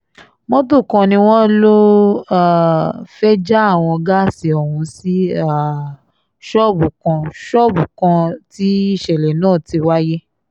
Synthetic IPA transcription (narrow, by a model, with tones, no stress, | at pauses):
mɔ̃˦to˦˨kɔ̃˧nĩ˧w̃ɔ̃˦lo˦a˦˨fɛ˦d͡ʒa˦a˦˨w̃ɔ̃˧ɡa˦˨si˧ɔ˨hũ˧si˦a˦˨ | ʃɔ˦˨bu˨kã˧ʃɔ˦˨bu˨kã˧ti˦i˦˨ʃɛ˨lɛ˨nãː˦˨ti˧wa˦je˦